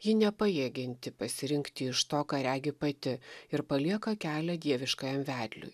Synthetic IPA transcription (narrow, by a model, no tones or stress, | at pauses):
jɪnʲɛpɐjeɡʲɪnʲt̪ʲɪpɐsʲɪɾʲɪŋkt̪ʲɪɪʃt̪oːkɑːɾʲæːɡʲɪpɐt̪ʲɪɪɾpɐlʲiɛkɐkʲæːlʲɛd̪ʲiɛʋʲɪʃkɐjɛmʋʲæːd̪ʲlʲʊ̰j